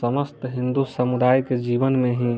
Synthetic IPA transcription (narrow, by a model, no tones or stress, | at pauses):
əməst̪ɦɪ̃nd̪usəmud̪aːjked͡ʒiːʋənmẽɦĩ